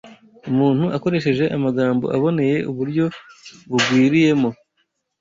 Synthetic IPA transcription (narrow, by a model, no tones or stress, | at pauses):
umuːn̥huʔako̞ɾe̞ʃ̬e̞ʒe̞ʔamaɡaːmbo̞̰ʔaβo̞ne̞je̞ʔuβuɾɟo̞βuɡɡwiːɾije̞mo̞